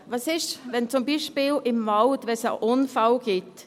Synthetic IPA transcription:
ʋɑsɪʃvɛnt͡sʊmbiʃpiːlɪmːaʊt̪ʋɛsa̰ʔʊnfalɡ̥ɪt

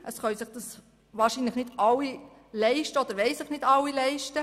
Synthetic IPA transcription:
ʔəsχœɥsɪχd̥ɑs | ʋɑːɾʃiːnləχnɪdɑwːi | lɛɪʃtəɔd̪əɾʋɛɪsɪχnɪdɑwːilɛɪʃtə

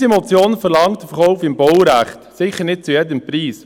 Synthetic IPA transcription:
simɔt͡sjoːnfəɾlɑŋtdəfəɾχɔʊfɪmbɔwɾæχtsɪχəɾnɪt̚t͡sujɛdəmpɾiːs

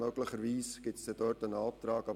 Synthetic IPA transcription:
œɡləχəɾʋiːsɡ̥ɪtsd̪̥ɛd̥øːɾtənɑp̚t̪ɾɑːkɑ

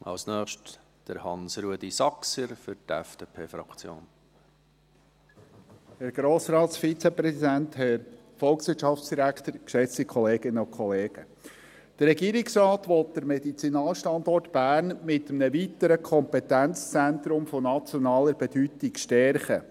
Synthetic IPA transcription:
ʔɑ̰lsnœːχʃt | d̥əɾhɑ̰nsɾuəd̥̪isɑksəɾfʏɾtɛ̰fd̥eːpʰeːfɾɑ̰kt͡sjo̰ːn | hɛɾɡ̥ɾoːsɾɑːt̪sfit͡sɛpɾɛsid̪ænthɛɾ | fɔlˠksʋɪtt͡ʃʃɑft͡sd̥iɾækt̪əɾkʃɛt͡sikʰɔleːɡɪnəʊkʰχɔleːɡ̥ə | d̥ərɾɛɡiːɾiksɾɑːt̪ʋɔt̚d̪̥əɾmɛdit͡sinɑːlʃtɑnd̪ɔrtb̥æːrnmɪtəmnəvit̪əɾəkʰɔmpɛt̪ænt͡st͡sænt̪ɾʊmfonɑt͡sjɔnɑːləɾbɛd̥yt̪ikʃtɛɾχə

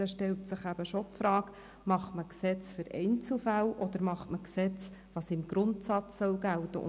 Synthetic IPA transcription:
ɛʃtɛltsəχæb̥əʃɔpfɾɑːk | mɑχtməksɛt͡sfʏɾɛ̰ɪjnt͡sl̩fæwʔɔd̥̪əɾmɑχtməksɛt͡sʋɑsɪmɡ̥ɾʊntsɑt͡sːœwɡæltə̰ʊ̰

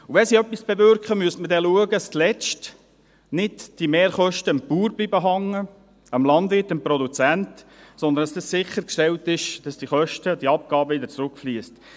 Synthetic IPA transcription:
uʋɛnsiœpːisb̥ɛvʏɾkχəmyəstmədɛluəɡəstlɛt͡ʃt | nɪdd̥imeːɾχœʃtəmpuːɾblibəɦɑŋːə | əmlɑnd̪vɪrtːəmpɾɔd̪ut͡sænt | sɔnd̪əndɑsdəssɪχːəɾkʃtɛltɪʃd̥ɑsd̥iχœʃtəd̥iɑp̚ɡɑːbəɪd̪ət͡sɾʊkfliəst

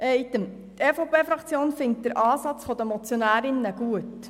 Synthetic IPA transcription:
ʔɛjt̪əm | t̪eːfopʰeːfɾɑkt͡sjoːnfɪŋt̚d̥əɾʔɑːsɑt͡sfɔd̥̪əmɔt͡sjonæːɾɪnːəɡ̥uət

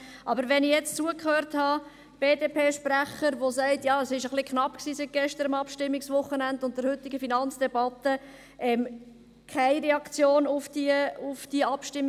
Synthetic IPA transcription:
ʔɑbəɾʋɛnɪjɛt͡st͡suəkʰhøːɾthɑ | b̥eːdeːpʰeːʃpræχəɾʋosæɪtjɑːəsɪʃəχlikχnɑpksiːsit̚ɡ̥ɛʃtəɾəmɑpʃtɪmːɪksʋʊχənændʊnt̚d̥̪əɾhʏt̪ːɪɡəfinɑnt͡sd̥ɛbɑt̪ə | ʔɛm | kʰaɪɾɛɑkt͡sjoːnʊfd̥iəʊfd̥iəɑpʃtɪmː

